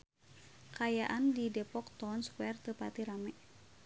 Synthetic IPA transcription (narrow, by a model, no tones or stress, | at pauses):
kajaʔandidɛpɔk̚t̪ɔnskwɛrt̪əpat̪iɾamɛ